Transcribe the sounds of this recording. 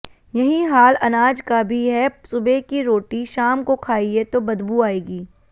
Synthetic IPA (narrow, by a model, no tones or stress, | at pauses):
jɐɦĩɦaːlɐnaːd͡ʒkabʱiɦɛsʊbekiɾoːʈiʃaːmkokʰaːiet̪obɐd̪buaːeːɡiː